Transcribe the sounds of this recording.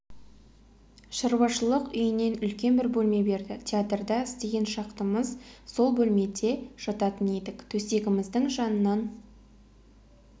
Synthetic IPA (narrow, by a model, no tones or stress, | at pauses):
ʃəɾwɑʃəlˠəqʏjɪne̞nʏlkʲe̞nbɪɾbɵlme̞be̞ɾd̪ɪt̪ʲʰeat̪rd̪ɑɪst̪e̞ɡʲe̞nʃɑqt̪əməzso̞lˠbɵlme̞d̪e̞ʒ̥ɑt̪ɑt̪əne̞d̪ɪkt̪ʰɵse̞ɡʲɪmɪzd̪əɴʒɑnənɑn